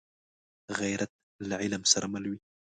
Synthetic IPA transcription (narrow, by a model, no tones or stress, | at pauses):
ɣajɾat̪̚ | lʕilamsɑɾˤmalwi